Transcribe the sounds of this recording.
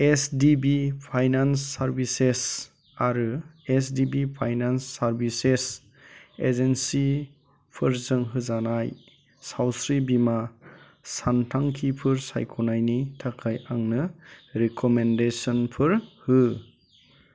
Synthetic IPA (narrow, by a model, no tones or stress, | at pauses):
esdibipʰajnansːaɾbises | aɾɯesdibipʰajnansːaɾbises | ezensi | pʰɯɾzɯŋɦɯzanaj | sawsɾibima | santʰaŋkʰipʰɯɾsa̰jkʰɔnajnitʰakʰajaŋnɯɾikʰɔmendesɔnpʰɯɾhɯ